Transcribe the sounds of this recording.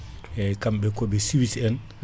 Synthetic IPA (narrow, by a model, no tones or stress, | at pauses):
jajkambɛkɔbɛsiwisɛn